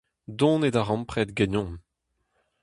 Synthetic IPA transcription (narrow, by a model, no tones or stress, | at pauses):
d̪ɔ̃ːnedaʁɑ̃mpχɛːt̪ɡenɔ̃ːn